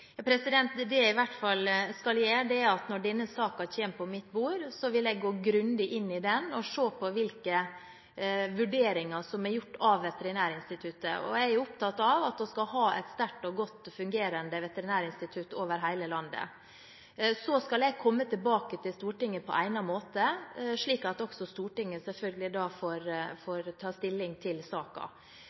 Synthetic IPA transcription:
jɑpʰɾɛsɪd̪ɛnt̪d̪ɛɪʋæʈːfɑlːskɑljeːd̪ɛæɾɑt̪nɔɖɛnːəsɑːkɑt̪ʰeːmpʰɔmɪt̪buːɾsɔʋɪlɛɪɡɡoːɡɾʉnd̪ɪʔɪnːɪd̪ɛnɔʂoːpʰɔʋɪlkə | ʋʉɖeːɾɪŋɑsɔmɛɾjʊʈːɑʋːɛt̪əɾɪnæːɾɪnst̪ɪt̪ʰʉt̪ːə̰ɔ̰ææɾjʊʊp̚t̪ʰɑt̪ɑʋɑt̪̚d̪ɔskɑɦɑːʔɛ̰ɪt̪st̪æʈːɔɡɔt̪ːfʉŋɡeːɾənd̪əʋɛt̪əɾɪnæːɾɪnst̪ɪt̪ʰʉt̪oːʋəɾɦæɪləlɑnd̪ə̰ | sɔskɑlɛɡ̚kʰɔmːət̪ʰɪlbɑːkət̪ʰɪlst̪uːʈɪŋːəpʰɔ̰ʔæ̰ɪnɑmoːt̪əʂɭiːkɑt̪ɔksɔst̪uːʈɪŋːəsɛlfœlɡəlɪd̪ɑːfoɾfɔɾt̪ʰɑːst̪ɪlːɪŋt̪ʰɪlsɑːkɑ̰

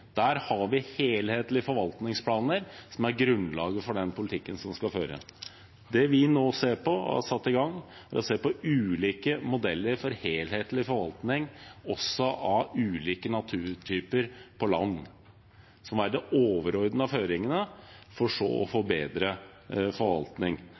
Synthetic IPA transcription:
d̪̥æːɾhɑɾʋɪheːlheːt̪lɪəfɔɾʋɑlt̪nɪŋspʰlɑːnəɾsɔmæɾɡɾʉnlɑːɡəfɔɖɛnpʰʊlɪt̪ʰɪkːənsɔmskɑføːɾə̰ | d̪ɛʋɪnoːseːɾpɔɑ̰sɑt̪ːɪɡɑŋːæɾɔseːpɔʉːliːkəmʊd̪ɛlːəɾfɔɾheːlheːt̪lɪfɔɾʋɑlt̪nɪŋɔsːɔʔɑʉːliːkənɑt̪ʰʉːɾt̪ʰyːpəɾpʰɔlɑ̰nː | sɔmʋæɾd̪ɛoːʋəɾɔɾd̪nəɑføːɾɪŋənəfɔʂo̰ːɔ̰fobeːd̪ɾə | fɔɾʋɑ̰lt̪nɪŋ

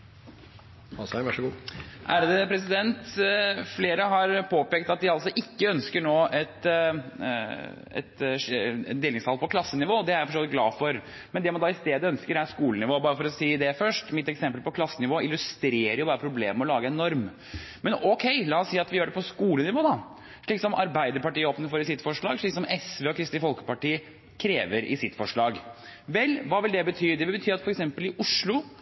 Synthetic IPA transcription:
ɑsʋɑʂɡuːʔæːɾəd̪əpʰɾɛs̬ɪd̪ɛnt̪fleːɾəɦɑɾpʰoːpeːk̚t̪ɑt̪̚d̪ɪɑlsɔʔɪkːəœnskəɳoːɛt̪ | ɛ̰t̪ | d̪eːlɪŋshɑlpʰɔkʰlɑsːənɪʋoːd̪ɛæɾæfɔɾʂoːʋɪt̪̚ɡlɑ̰ːfɔɾ | mɛnd̪ɛmɑnd̪ɑːɪst̪eːd̪əœnskəɾæɾʂkuːlənɪʋoːbɑːɾəfɔɾɔsiːd̪ɛfœʂʈmɪt̪ːɛksɛmpəlpɔkʰlɑsːənɪʋoːɪlʉst̪ɾeːɾəɾjʊbɑːɾəpʰɾʊbleːməɔlɑːɡəɛnɔɾm | mɛnɔkʰɛɪlɑːɔsiːɑt̪ʋɪjøːɖɛpʰɔskuːlənɪʋoːd̪ɑ | ʂɭiːksɔmʔɑ̰ɾbæɪd̪əɾpɑʈiːəoːpənəfɔːɾɪsɪt̪ːfɔʂɭɑːɡʂɭiːksɔmɛsʋɛːɔkʰɾɪst̪ɪfɔlkə̥pɑʈiːə | kʰɾeːʋəɾʔɪ̰sɪt̪ːfɔʂɭɑːɡʋɛlːʋɑːʋɪld̪ɛbət̪ʰyːd̪ɛʋɪlbət̪ʰyːɾɑt̪fɔɾɛksɛmpəlɪʔʊʂɭʊ

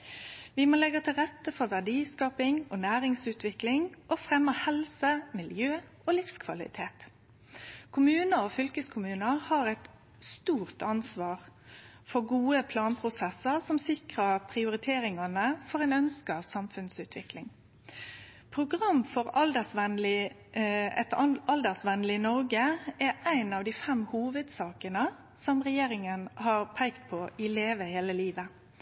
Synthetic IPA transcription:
ʋɪmoːlɛɡət̪ʰɪlʁɛt̪ːəfɔʋæʁɖiːskɑːpɪŋoːnæːʁɪŋsʉːt̪ʰʋɪklɪŋʔɔfʁɛmːəhɛlsəmɪljøː | oːlɪfskʰʋɑlɪ̰t̪ʰeːt̪ | kʰʊmʉːnəofʏlkəskʰʊmʉːnəʁhɑːʁɛt̪ | st̪uːʁt̪ʰɑnsʋɑːʁ | fɔɡuːəpʰlɑːnpʰʁʊsɛsəʁsɔmsɪkʁəpʰʁɪʊɾɪt̪ʰeːɾɪŋɑnəfɔʁæɪnœnskəʋsɑmfʉnsʉːt̪ʰʋɪklɪŋ | pʰʁʊɡʁɑmːfɔʁɑld̪əsʋɛnlɪ | ɛ̰t̪ɑld̪əsʋɛnlɪnɔʁɡəɛæɪnɑʋd̪iːfɛmhuːʋəd̪sɑːkənə | sɔmʁɛjeːɾɪŋənhɑʁpʰæɪkt̪̚pʰɔʔɪleːʋəheːləliːʋə

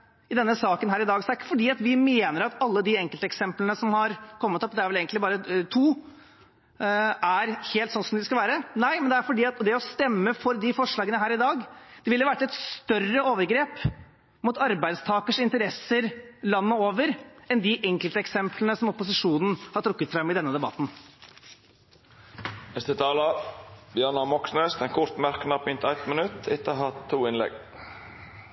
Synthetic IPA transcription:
ɪd̪ɛnːəsɑːkənɦæːɾɪd̪ɑːɡsɔæɾɪkːə̥fɔɖiːɑt̪ʋɪmeːnəɾɑt̪ɑlːəd̪ɪɛŋkəlt̪əɛksɛmplənəsɔmhɑɾkʰɔmːət̪ɔpd̪ɛæɾʋɛleːɡnt̪ɪbɑːɾət̪ʰuː | æɾheːlt̪sɔnsɔmd̪ɪskɑʋæːɾənæɪmɛnd̪ɛæɾfɔɖiːɑt̪d̪ɛɔst̪ɛmːəfɔɾd̪ɪfɔʂɭɑːɡənəɦæːɾɪd̪ɑːɡd̪̥ɛʋɪlːəʋæʈːɛt̪st̪œrːəoːʋəɾɡɾeːp | mʊt̪ɑɾbæɪd̪st̪ʰɑːkəʂɪnt̪əɾɛsəɾlɑnːəoːʋəɾɛnd̪ɪʔɛŋkəlt̪əɛksɛmpʰlənəsɔmɔpʊsɪʂuːnn̩hɑɾʈ̪ʰɾʊkːət̪fɾɛmːɪd̪ɛnːəd̪ɛbɑ̰t̪n̩ | ɛst̪ət̪ʰɑːlɑbjɑɳɑmɔksnøːst̪ɛnkʰʊɾt̪mæɾkənɑpʏnt̪æɪt̪mənʉt̪ɪt̪əɦɑt̪ʰːuːɪnlɛ̰ɡ

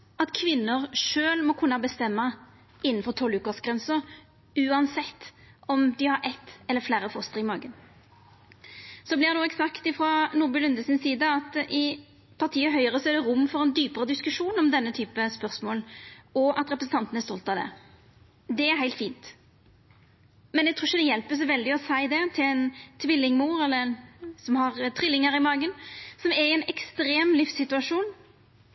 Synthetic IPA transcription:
ɑt̪kʰʋɪnːəʁʂøːlmɔkʰʉnːɑbəst̪ɛmːɑ | ɪnːn̩fɔt̪ʰɔlʉːkɑsɡʁɛnsəʁ | ʉːɑnsɛt̪ː | ɔmd̪ɪhɑɾʔɛt̪ːɛlːəflæːɾəfɔst̪əɾɪmɑːɡən | sɔblɪd̪oːɛksɑkt̪ɪfɾɔnuːbʉlʉnd̪əsɪnsiːd̪əɑt̪ʔɪ | pʰɑʁt̪ʰiːəɦœʏəʁəsɔæd̪ɛʁʊmːfɔʁɛnd̪yːpəʁəd̪ɪskʉʂuːnɔmd̪ɛnːət̪ʰyːpəspœɾsmoːlɔʔɑt̪ɾɛpɾəsn̩t̪ɑnt̪ənæst̪ɔlt̪ɑd̪ɛ̰ | d̪ɛæɾhæɪlt̪fiːnt̪ | mɛnɛɡ̚t̪ʰuːʃəd̪ɛjɛlpəs̬ɔʋɛld̪ɪɔsæɪd̪ɛt̪ʰɪlɛnt̪ʰʋɪlːɪŋmuːɾɛlːəɾɛnsɔmhɑʁt̪ʰʁɪlːɪŋəɾɪmɑːɡənsɔmæɾɪɛnɛkst̪ɾeːmlɪfsɪt̪ʉɑʂuːn

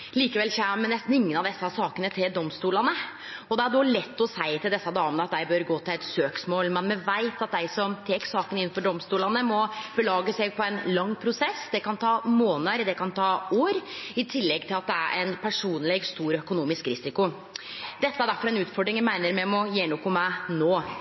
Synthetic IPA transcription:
liːkəʋɛlçæmənɛst̪n̩ɪŋːənɑʋd̪ɛsːɑsɑːkənət̪ʰɪld̪ɔmst̪uːlɑnə | ɔd̪ɛæɖoːlɛt̪ːɔsæɪt̪ʰɪld̪ɛsːɑd̪ɑːmənəɑt̪̚d̪æɪbøɾɡoːt̪ʰɪlɛt̪søːksmoːlmɛnmɛʋæɪt̪ɑt̪̚d̪æɪsɔmt̪ʰeːksɑːkənɪn̩ːfɔɖɔmst̪uːlɑnəmɔb̥əlɑːɡəsɛɡ̚pʰɔɛnlɑŋːpʰɾʊsɛsːd̪ɛkɑnt̪ʰɑːmoːnəɾd̪ɛkɑnt̪ʰɑːoːɾɪt̪ʰɪlːɛɡt̪ʰɪlɑt̪̚d̪ɛæ̰ɾʔæ̰ɪnpʰæʂuːnlɛɡst̪uːɾœkʊnuːmɪskɾɪsɪkʊ | d̪̥ɛt̪ːəæɖæɾfɔɾɛnʉːt̪fɔɖɾɪŋjæmæɪnəɾmɛɔmɔjeːnoːkʊmæɪnoː

